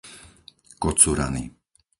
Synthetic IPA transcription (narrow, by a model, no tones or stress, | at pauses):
kɔt͡suɾanḭ